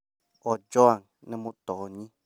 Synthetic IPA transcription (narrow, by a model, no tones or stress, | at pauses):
od͡ʒɔaŋ | nə̃mũt̪ɔɲĩ